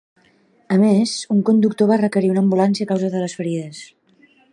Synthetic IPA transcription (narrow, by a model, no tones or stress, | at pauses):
əmezuŋkund̪uk̚t̪oβarəkəɾiunəmbulansiəkawzaðələsfəɾiðəs